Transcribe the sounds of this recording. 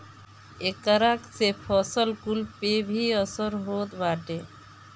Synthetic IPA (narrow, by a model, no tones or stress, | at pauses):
ekəɾaksepʰɔsɔlkulpebʱiɔsɔɾɦoːt̪baːʈe